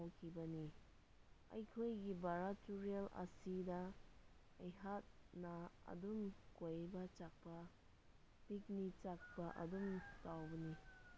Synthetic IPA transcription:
awkʰibɐni | ɐ̰jkʰojɡibaɾatuɾialɐ̰sidɐː | jɦat̚nɐɐ̰dumkojbɐt͡ʃak̚pɐ | pik̚nit͡ʃak̚pɐʔɐ̰dumtawbɐni

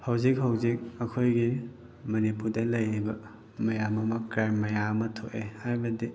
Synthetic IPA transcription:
hawzik̚ɦawzik̚ɐkʰojɡi | mɐnipuɾdɐlɐjɾibɐ | mɐjamɐmɐkɾajmːɐjamɐtʰoʔehajbɐdi

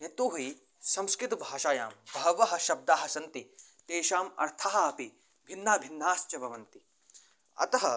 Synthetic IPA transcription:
ɐt̪uːɦi | sɐmskɾɪt̪ubʱaːʃaːjaːmbʱɐʋɐɦɐ̆ʃɐb̚d̪aːɦɐsɐnt̪i | t̪eːʃaːmɐ̰ɾt̪ʰaːɦɐɐpi | bʱinːaːbʱinːaːst͡ʃɐbʱɐʋɐnt̪i | ɐ̰t̪ɐɦɐ

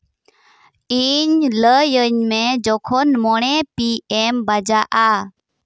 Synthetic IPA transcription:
iɲləjəɲmɛd͡ʒɔkʰɔnmɔɽ̃ɛpiʔɛmbad͡ʒaʔa

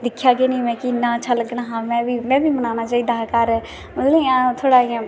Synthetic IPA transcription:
d̪ɪkʰjaːɡeːnĩːmɛ̃ːkɪnãːt͡ʃʰəlɡənaːɦãːmɛ̃ːbʱiːmɛ̃ːbʱiːmənaːnaːt͡ʃaːiːd̪aːkəɾ | mət̪lẽãːt̪ʰoːɽaːiã

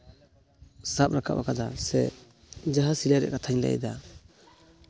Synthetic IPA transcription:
sap̚ɾakʰaba̰kʰad̪asɛ | d͡ʒaɦasilaɾɛ̰kat̪ʰaɲla̰jd̪a

